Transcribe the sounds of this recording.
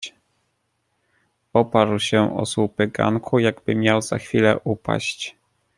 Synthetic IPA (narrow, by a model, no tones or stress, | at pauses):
ɔpaɾwɕɛʔɔ̰swupɘɡa̰ŋkʰujaɡbɘmʲjawz̥axfʲilɛʔupa̰ɕt͡ɕ